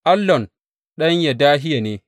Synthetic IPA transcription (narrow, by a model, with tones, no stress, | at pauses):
ʔa˦lːɔ˨n | ɗɐ˦ɲja˨daː˦ɦɪ˦ja˨neː˨˦